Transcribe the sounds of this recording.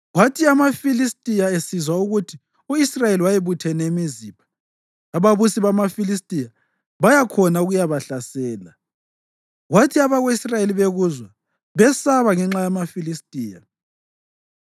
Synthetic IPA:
ɣwatʰiamafilistʼijaesizwauɣutʰi | uisrajeliwajeβutʰɛnemizipʰḁː | βaβusiβamafilis̬tʼija | βajakʰɔnauɣujaβaɬasɛːla | ɣwatʰiaβaɣweisrajeliβeɣuzwa | βɛsaβaŋɛŋ͡ǁajamafilistʼiːja̰

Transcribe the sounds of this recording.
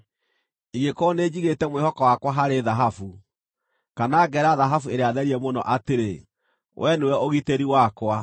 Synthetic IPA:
iɣekoneːd͡ʑiɣetɛmwehɔkɔwakwaɦaɾeðaɦafu | kanaːɡɛɾaðaɦafueɾeaðɛɾiɛmonɔ̰ʔateɾe | wʔɛnuwɛoɣiteɾiwakwa

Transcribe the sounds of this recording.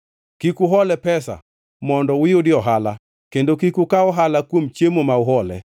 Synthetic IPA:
kikuɦɔlɛpɛsa̰ | mɔndɔwɪjodɪɔɦala | kendokikukaɔɦalakwomt͡ʃemomaʊɦɔlɛ̰

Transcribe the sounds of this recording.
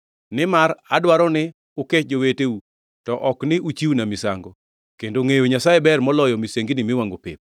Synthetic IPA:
nɪmaɾadwaɾɔnɪ | ʊket͡ʃd͡ʒoweteu | tɔʔɔknɪut͡ʃiwnamɪsa̰ŋɡɔ | kendoŋejoɲasajɛbɛrmɔlɔjɔmiseŋɡinɪmɪwaŋɡopɪ̰p̚

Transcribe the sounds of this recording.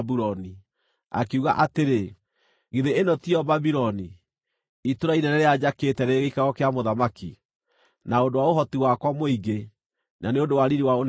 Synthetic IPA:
buɔni | a̰keuɣaʔateɾe | ɣeðeenɔtiɔbabiɾɔni | itoɾainɛɾɛɾead͡ʑaketɛɾeɣeikaɣɔkeamoðamaki | naondowaoɦɔtiwakwamoiɡe | naneondowaɾiɾiwaon

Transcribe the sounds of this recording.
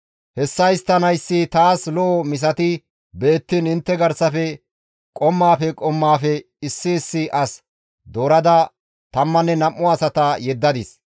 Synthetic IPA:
hɛsːɐɪst̪ːɐnɐjsːɪt̪aːslɔʔːmɪs̬ɐt̪ɪ | be̞ːt̪ːinɪnt̪ːɛɡɐɾsɐfɛ | kʼɔmːaːfɛkʼɔmːaːfɛ | ɪsːɪːsːɪʔɐs | d̪oːɾɐd̪ɐ | t̪ɐmːɐnːɛnɐmːʊɐsɐt̪ɐjɛd̪ːɐd̪ɪs

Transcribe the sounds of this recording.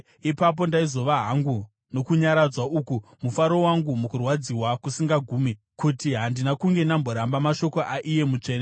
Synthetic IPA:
ipap̬o̞ndaizo̞ʋaɦaŋɡu | no̞kuɲaɾad͡zwaukumufaɾo̞waŋɡumukurwad͡ziwakusiŋɡaɡʱuːmi | kutiɦandinakuŋɡe̞nambo̞ɾambamaʃo̞ko̞ʔaʔije̞mut͡ʂe̞ːne

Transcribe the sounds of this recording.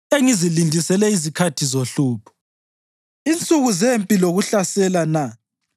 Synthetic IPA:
eŋizilindʱisɛlɛizikʰatʰizoɬuːpʰɔ̥ | int͡sʼuɣuzempʼiloɣuɬasɛlana

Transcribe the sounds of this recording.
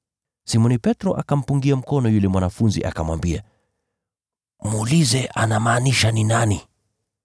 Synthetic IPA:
simɔnipɛtɾɔʔakam̩puŋɡiam̩kɔnɔjulɛmwanafunzḭʔa̰kamwambia | muːlizɛʔanamaːniʃaninani

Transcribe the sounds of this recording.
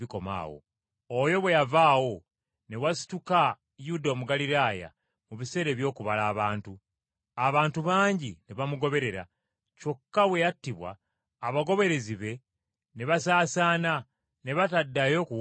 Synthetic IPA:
iko̞ma̰ːwo̰ | ojo̞βwe̞javaːwo̞ | ne̞wasi̥tuka | judomuɡaliɾaːja̰ | muβise̞ːɾe̞ːβjo̞ːkuβalaːβaːntu | aβaːntuβaːɲɟineβamuɡo̞βe̞ɾe̞ɾa̰ | co̞kːawe̞jatːiβwa̰ː | βaɡo̞βe̞ɾe̞ziβe̞ | neβasaːsaːna | ne̞βatadːajo̞ku

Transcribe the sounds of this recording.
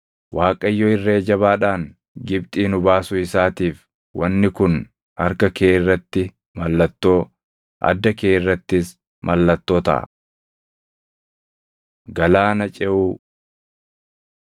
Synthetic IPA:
waːkʼɐjːɔɪrːeːd͡ʒɐβaːᶑaːŋ | ɡɪbt̪ʼiːnʊbaːsʊɪsaːt̪iːf | wɐnːɪkʊn | ɐɾkɐkeːɪrːɐt̪ːɪ | mɐlːɐt̪ːo̞ː | ʔɐ̰d̪ːɐkeːɪrːɐt̪ːɪs | mʔɐlːɐt̪ːo̞ːt̪ɐ̰ʔɐ̰ | ɡɐlaːnɐt͡ʃʼɛʔuː

